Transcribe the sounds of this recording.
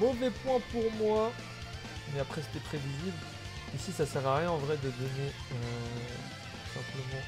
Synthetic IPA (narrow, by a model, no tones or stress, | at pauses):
mɔvɛpwɛ̃puʁmwa | mɛapχɛs̬ə̥kʲɛtpχevizibl | isisasɛʁaʁjɛ̃ɑ̃vʁɛd̪əd̪ɔne | ø | t̪ | u̥sɛ̃pləmɑ̃